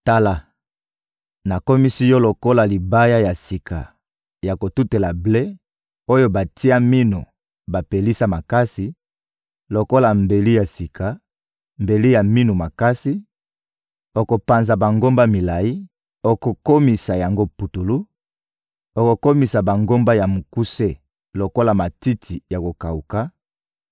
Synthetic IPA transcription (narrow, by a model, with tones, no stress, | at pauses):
ta˦la˨ | na˨ko˦mi˦si˦jɔ˦lo˨ko˦la˨li˨ba˦ja˦ja˨si˨kʰa˨ | ja˨ko˨tu˦te˨la˨ble˦ | o˦jo˦ba˨ti˦a˦mi˦nu˨ | ba˨pe˨li˦sa˦ma˨ka˦si˨ | lo˨ko˦la˨mbe˨li˦ja˨si˨kʰa˨ | mbe˨li˦ja˨mi˦nu˨ma˨ka˦si˦ | o˨ko˨pa˨nza˨ba˨ŋɡo˦mba˦mi˨la˨ji˦ | o˨ko˨ko˦mi˨sa˨ja˨ŋɡo˦pu˨tu˨lu˦ | o˨ko˨ko˦mi˨sa˨ba˨ŋɡo˦mba˦ja˨mu˨ku˦se˦ | lo˨ko˦la˨ma˨ti˦tʰi˨ja˨ko˨ka˨u˨ka˦